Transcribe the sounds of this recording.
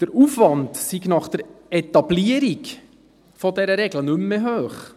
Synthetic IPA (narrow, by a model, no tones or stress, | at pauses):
d̪̥əɾufʋɑndsiɡnɑχd̥̪əɾɛt̪ɑbliəɾiɡ | fɔdɛɾəɾɛɡlənʏmːəɦøːχ